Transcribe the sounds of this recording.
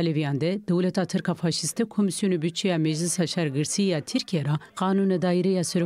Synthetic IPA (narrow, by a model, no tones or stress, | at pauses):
levijɑːnd̪ɛd̪ɛwlɛt̪ʰaːt̪ʰɨɾkʰaːfɑːʃist̪ɛkʰomisijonebyt͡ʃʰijɑːmɛd͡ʒlisɑːʃɛɾɡɨɾsijaːt̪ʰiɾkʰijɛɾɑqɑːnunɛd̪ɑːiɾɛjɑːsɛɾo